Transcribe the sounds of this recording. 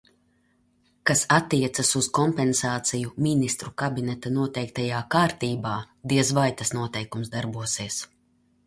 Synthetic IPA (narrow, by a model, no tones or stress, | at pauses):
kasat̪ːiɛt̪sasuz̥kɔmpɛnsaːt̪sijuminist̪ɾukabinɛt̪anuɔt̪ɛjk̚t̪ajaːkaːɾt̪iːbaː | d̪iɛzvajt̪asnuɔt̪ɛjkumszd̪aɾbuɔsiɛs